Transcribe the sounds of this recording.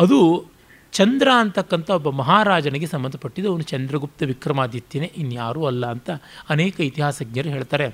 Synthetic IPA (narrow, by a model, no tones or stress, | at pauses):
ɐd̪u | t͡ʃɐnd̪ɾaːnt̪ɐkːɐnt̪ɐɔbːɐmɐɦaːɾaːd͡ʒɐnɐɡesɐmbɐnd̪ʱɐpɐʈːid̪eɐʋɐnut͡ʃɐnd̪ɾɐɡup̚t̪ɐʋikɾɐmaːd̪jɐt̪ːineʔinːjaːɾuɐlːɐːnt̪ɐːnɛːkɐit̪iɦaːsɐɡ̚nɲjɐɾuɦeːɭt̪aːɾe̞